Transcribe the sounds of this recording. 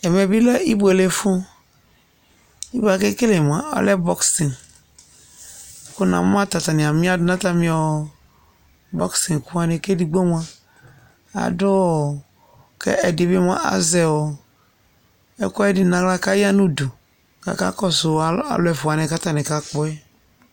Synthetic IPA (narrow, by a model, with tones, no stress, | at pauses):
ɛ˨mɛ˨bi˦lɛ˦i˦bu˨ɛ˨le˨fu˦ | i˦ba˨ke˦ke˦le˨m˨a˨ɔ̰˦lɛ˦bɔ˦ksi˨n˨˦ | kʊ˦na̰˨m˦a˦ta˨t̪a˨nĩ˨a˨mĩ˦a˦dnã˦ta˦mĩ˨ɔ˨ | bɔ̰˦ksi˨n˨ku˦a˨ne˨ke˦di˨ɡ͡bo˦m˦a˦ | a̰˨dʊ˦˨ | kɛ̰˦ɛ˨dɪ˨be˦m˦a̰˦ʔa̰˨˦zɛ˨wɔ˨ | ɛ̰˦kɔ˦ɛ˦dɪ˦nã˨ɡla˦ka˦ja˦nũ˦do˨ | ka̰˨ka̰˦kɔ˦sʊ˨˦a̰˨lʊ˦ɛ˨fʊ˨a˨nɛ̃˨ka˦t̪a˦nɛ˨ka˨k͡pɔ˦ɛ˦